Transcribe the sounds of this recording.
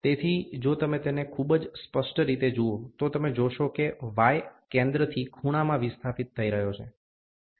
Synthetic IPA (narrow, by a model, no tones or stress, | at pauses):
t̪et̪ʰid͡ʒot̪əmet̪enekʰubd͡ʒspəʂʈɾit̪ed͡ʒuot̪ot̪əmed͡ʒoʃokeʋajkẽnd̪ɾət̪ʰikʰuɽ̃amãʋist̪ʰafit̪ʰːəiɾəɦjot͡ʃʰḛ